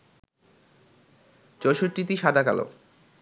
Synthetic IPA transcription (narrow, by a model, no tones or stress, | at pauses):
d͡ʑɔʃoɾʈit̪iʃad̪aka̰lo̰